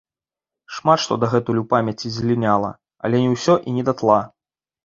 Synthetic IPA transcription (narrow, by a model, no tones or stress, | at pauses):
ʂmat̪ʂt̪ɔd̪ɐɣɛt̪ujʲupamʲjɐt͡sʲizʲlʲinʲalˠɐ̰ | ɐ̰lʲɛnʲiwsʲɔʔinʲɛd̪at̪lˠa